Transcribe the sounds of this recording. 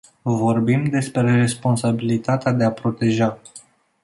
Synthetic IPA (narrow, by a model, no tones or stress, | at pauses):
vo̞rbimd̪e̞spɾe̞re̞spo̞nsabilit̪at̪ead̪e̞apɾo̞t̪e̞ʒa